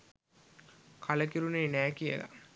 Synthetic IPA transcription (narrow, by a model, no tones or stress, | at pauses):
kʰɐlɐkiɾuneːnæːkijɐ̰la̰